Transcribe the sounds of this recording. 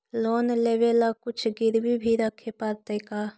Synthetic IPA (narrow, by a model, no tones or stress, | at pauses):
loːnleʋeːlakʊt͡ʃʰɡɪɾbibʱiɾəkʰːeːpəɾt̪eːkaː